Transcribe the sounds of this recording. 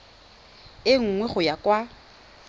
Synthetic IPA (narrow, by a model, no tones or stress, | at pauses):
ɪŋ̩ŋwɛχʊjakʼwa